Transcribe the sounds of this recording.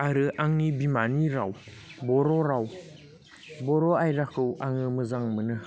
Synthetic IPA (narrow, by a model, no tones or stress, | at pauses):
aɾɯʔaŋnibimaniɾaw | bɔɾɔɾaw | bɔɾɔajɾakʰɯwʔaŋɯmɯzaŋmɯnɯ